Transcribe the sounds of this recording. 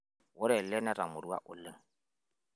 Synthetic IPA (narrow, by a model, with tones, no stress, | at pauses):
wʊ˦ɾɛ˨lɛ˦nɛ˦ɾa̰˨mʊ˨ɾu˦wa̰˦ʔʊ˨lɪ˦ŋ̩